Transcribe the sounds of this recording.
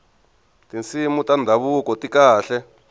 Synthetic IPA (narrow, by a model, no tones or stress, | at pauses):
tint͡simutand̪ʱaβukɔtikaːɬɛ